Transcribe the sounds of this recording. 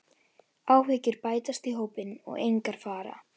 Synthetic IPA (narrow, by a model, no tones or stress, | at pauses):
aːwvɪːcʏɾpaːjt̪ast̪iɦoːwpɪnɔ̰ɣejŋkaɾ̥faːɾa̰